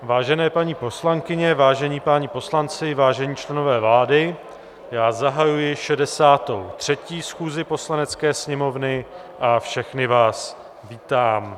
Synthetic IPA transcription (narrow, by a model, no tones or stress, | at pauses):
vaːʒɛnɛːpaɲiːpo̞slaŋkɪɲɛvaːʒɛɲiːpaɲipo̞slant͡sɪvaːʒɛɲiːt͡ʃlɛno̞vɛːvlaːdɪ | jaːzaɦajujɪʃɛdɛsaːt̪o̰wt̪r̝̥ɛciːsxuːzɪpo̞slanɛt͡skɛːsɲɛmo̞vnɪ | ʔafʃɛxnɪvaːs | viːt̪aːm